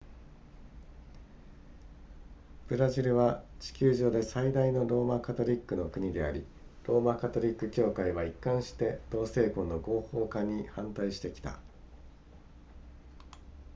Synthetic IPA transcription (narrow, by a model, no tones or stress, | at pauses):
b̥ɯ̟ɾaʑiɾɯ̟βat͡ɕi̥kʲɨːʑo̞ːd̪e̞said̪aino̞ɾo̞ːmakat̪o̞ɾʲikːɯ̟no̞kɯ̟ɲ̟id̪e̞a̰ɾʲi | ɾo̞ːmakat̪o̞ɾʲikːɯ̟kʲo̞ːkaiβaikːãɰ̃ɕi̥t̪e̞d̪̥o̞ːse̞ːkõ̞nːo̞ɡo̞ːho̞ːkaɲ̟ihãnt̪aiɕi̥t̪e̞kʲi̥t̪a̰